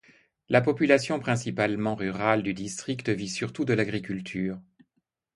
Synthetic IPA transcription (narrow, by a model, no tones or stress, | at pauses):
lapɔpylasjɔ̃pχɛ̃sipalmɑ̃ʁyʁald̪yd̪ist̪χikt̪əvisyʁt̪ud̪əlaɡʁikʲylt̪ʰyːʁ